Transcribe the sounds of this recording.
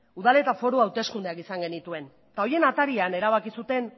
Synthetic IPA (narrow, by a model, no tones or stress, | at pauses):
uðale̞t̪afo̞ɾoawt̪e̞skund̪e̞akisaŋɡe̞nit̪ue̞n | t̪ao̞je̞nat̪aɾiane̞ɾaβ̞akisut̪e̞n